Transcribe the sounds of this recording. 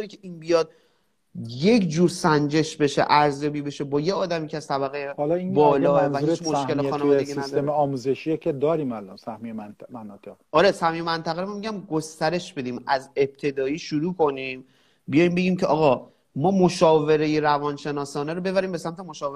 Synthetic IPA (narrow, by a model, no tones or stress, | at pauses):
ɾicʰeiːnbijɒːd̪̚ | je̞kʰd͡ʒuːɾsænd͡ʒe̞ʃbe̞ʃḛʔæɾzjɒːbiːbeʃebɒːjeɒːd̪æmiːcʰæst̪ʰæbæɣejehlinbɒːlɒːevæhit͡ʃmoʃke̞lexɒːnevɒːd̪eɡiniædsemeɒːmuzeʃiekʲʰed̪ɒːɾiːmælɒnsæhmejeænt̪mænɒt̪ʰeʁʔɒːɾe̞sæhmejemænt̪ʰæɣeɾomamiɟæmɡost̪æɾe̞ʃb̥e̞d̪iːmæze̞b̥̚t̪ʰe̞d̪ɒːiːʃuɾuːkʰo̞niːm | bijɒːjmbe̞ɟiːmcʰeʔɒːɣɒ | mɒːmo̞ʃɒːve̞ɾe̞jeɾævɒnʃe̞nɒːsɒːneɾobe̞βæɾiːmbe̞sæmt̪emo̞ʃɒːve